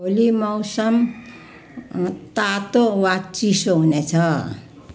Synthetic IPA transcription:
olimʌwsʌm | t̪at̪owat͡sisoɦunet͡sʰʌ

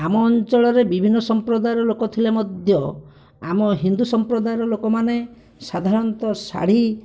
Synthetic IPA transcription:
amɔːnt͡ʃɔɭɔɾebibʱinːɔsɔmpɾɔd̪ajɾɔlokɔt̪ʰilemɔd̪ʱjɔ | amɔɦind̪usɔmpɾɔd̪ajɔɾɔlokɔmane | sad̪ʱaɾɔnt̪ɔsa̰ɽ̤i

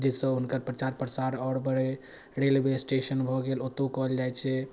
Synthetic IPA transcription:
d͡ʒesə̃ɦunkəɾpɾət͡ʃaɾpɾəsaɾɔɽbəɾe | ɾelbesʈesənbʱɔɡelot̪okɔɦəld͡ʒajt͡ʃʰɛ

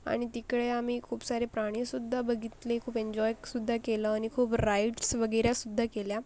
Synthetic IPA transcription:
a̰ɽ̃it̪ikɽeam̤iːkʰuːpsaɾepɾaɽ̃isud̪ʱːabəɡʱit̪lekʰuːpeɲd͡ʑɔjsud̪ʱːakeləañikʰuːpɾajʈsʋəɡəjɾjasud̪ʱːakelja

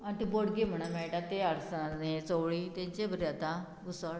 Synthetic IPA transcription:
at̪iboɽɡim̤əɽ̃am̤eɭʈat̪eaɽsanet͡soʋɭiːt̪ẽɲt͡ɕebʱəɾeat̪a | busaɽ

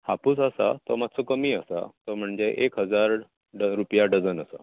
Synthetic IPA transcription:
hapusəsa̰t̪ɔmat̪̚ːt͡sɔkəmiːəsa̰t̪ɔm̤əɳd͡zeʔekɦəd͡zaɾ | ɖɾupjaɖəd͡zənəsa̰

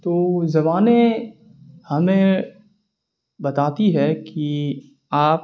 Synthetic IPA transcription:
t̪oːzɐmaːne | hɐmẽ | bɐt̪aːt̪iɦɛki | aːp

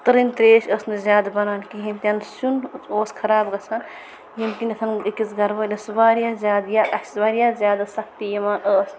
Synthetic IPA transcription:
t̪ɐɾint̪ɾeːʃəːsnɨzjaːd̪bɐnaːnkiɦinʲt̪ʲɐnsunoːskʰɐɾaːbɡɐt͡sʰɐn | jimkinʲɐt̪ʰɐnikisɡɐɾbɐlʲesubaːɾijazʲjaːd̪jaɐsbaːɾijaːzʲjaːd̪asɐk̚ʰt̪ijɐmaːnəːs

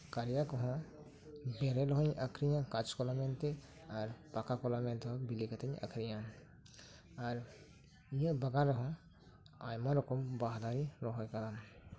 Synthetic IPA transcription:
kaɾijakɔɦɔ̃ | beɾeɾɔɦɔɲʔɐkʰɾijãkat͡ʃkɔlament̪e | aɾpakakɔlament̪ʰɦɔbilikət̪əɲɐ̰kʰɾijã | aɾ | jə̃bɐɡaɾɔɦɔ̃ | a̰jmãɾɔkɔmbaɦd̪aɾiɾɔɦɔjkɐlam

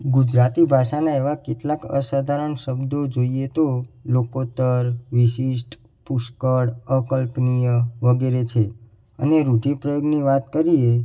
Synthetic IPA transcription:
ɡud͡ʒɾat̪ibʱaʃanaeʋakeʈ̪lakə̰sad̪ʱaɾəɳʃəbd̪od͡ʒoiet̪olokot̪əɾʋiʃiʃʈ | puʃkəɽəkəlpnijəʋəɡeɾet͡ʃʰe | ə̰neɾuʈipɾəjoɡniʋat̪kəɾie

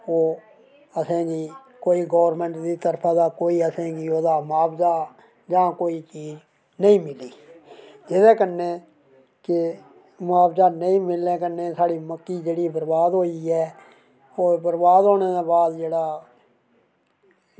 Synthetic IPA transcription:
oː | əsẽːɡiː | koːiːɡɔːʋɾmɛ̃ɳʈd̪iːt̪əɾpʰaːd̪aːkoːiːəsẽːɡiːoːd̪aːmʊaːbzaː | d͡ʒãːkoːiːt͡ʃiːd͡ʒ | nəĩːmɪliːd͡ʒɪd̪eːkənːẽː | kɪ | mʊaːbzaːnəĩːmɪlːẽːkənːẽːsaːɽiːməkːiːd͡ʒeːɽiːbəɾbaːd̪ɦoːiɛː | oːbəɾbaːd̪ɦoːneːd̪aːbaːd̪d͡ʒeːɽaː

